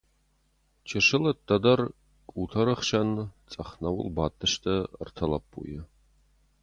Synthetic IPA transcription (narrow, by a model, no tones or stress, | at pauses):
t͡ʃʰɪʂɨlɐt̪ːɐd̪ɐr | kʼuːtʰɐɾɨχʃɐnt͡sʼɐχnɐwʊ̰lbaːt̪ʰʼːɨʃtʰɐ̰rtʰɐlɐpʰʼːṵjɛ